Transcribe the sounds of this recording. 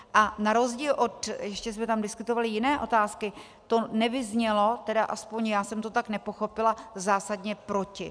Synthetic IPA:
ʔanaɾo̞zɟiːlʔo̞t̪jɛʃcɛsmɛt̪amdɪskut̪o̞valɪjɪnɛːʔo̞t̪aːskɪ | t̪o̞nɛvɪzɲɛlo̞t̪ɛdaʔaspoɲjaːsɛmt̪ot̪aknɛpo̞xo̞pɪlazaːsadɲɛpɾo̞cɪ

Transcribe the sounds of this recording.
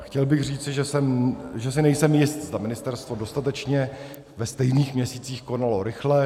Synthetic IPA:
xcɛlbɪɣr̝iːt͡sɪʒɛsɛmʒɛsɪnɛjsɛmjɪst̪zd̪amɪnɪst̪ɛɾst̪vo̞do̞st̪at̪ɛt͡ʃɲɛ | vɛst̪ɛjniːxmɲɛsiːt͡siːxko̞nalo̞ɾɪxlɛ

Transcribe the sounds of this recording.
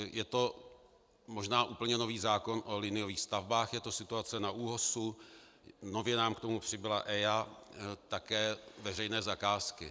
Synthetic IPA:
jɛt̪o̞ | mo̞ʒnaːʔuːpl̩ɲɛnoviːzaːko̞nʔolɪnɪjoviːxst̪avbaːxjɛt̪o̞sɪt̪uat͡sɛnaʔuːɦosu | no̞vjɛnaːmkt̪omupr̝̥ɪbɪla̰ʔɛjat̪akɛːvɛr̝ɛjnɛːzakaːskɪ

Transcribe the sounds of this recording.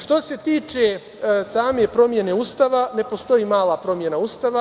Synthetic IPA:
ʃt̪o̞se̞t̪iːt͡ʃe | saːme̞pɾo̞mje̞ne̞uːst̪aːʋane̞po̞st̪o̞jiːmaːlapɾo̞mje̞nauːst̪aʋa

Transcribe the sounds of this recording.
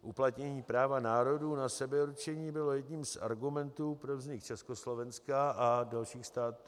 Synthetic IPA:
ʔuplat̪ɲɛɲiːpɾaːvanaːɾo̞duːnasɛbɛuɾt͡ʃɛɲiːbɪlo̞jɛdɲiːmsʔa̰ɾɡumɛnt̪uːpɾovzɲɪkt͡ʃɛsko̞slo̞vɛnskaadalʃiːxst̪aːt̪u

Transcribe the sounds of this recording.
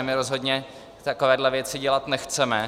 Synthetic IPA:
mɪɾo̞zɦo̞d̪ɲɛ | t̪akovɛːdlɛvjɛt͡sɪɟɛlat̪nɛxt͡sɛmɛ

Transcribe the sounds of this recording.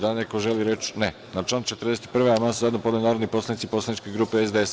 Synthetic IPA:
d̪anekoʒe̞liɾe̞t͡ʃne | nat͡ʃlaːnkt͡ʃet̪əɾd̪eset̪i̥pr̩ʋejamanszajed̪nopod̪ajnaːɾod̪nipo̞slanit̪sipo̞slanit͡ʃkeɡɾuːpe̞ezd̪ees

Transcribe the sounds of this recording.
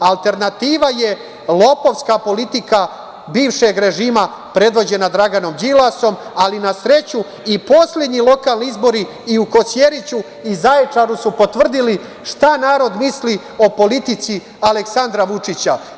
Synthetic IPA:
alˠt̪e̞ɾnat̪iːʋaje̞ | lˠo̞po̞ʋskapo̞lit̪ika | biːʋʃe̞ɡɾe̞ʒiːma | pɾe̞d̪ʋo̞d͡ʑe̞nad̪ɾaɡano̞md͡ʒilaso̞malinasɾe̞t͡ɕu | ipo̞slʲe̞d̪ɲilˠo̞kaːlˠniizbo̞ɾiː | uko̞sje̞ɾit͡ɕu | izajet͡ʂaɾusupo̞t̪ʋr̩d̪ili | ʃt̪anaːɾo̞d̪misli | o̞po̞lit̪it̪si | aleksand̪ɾaʋut͡ʂit͡ɕa

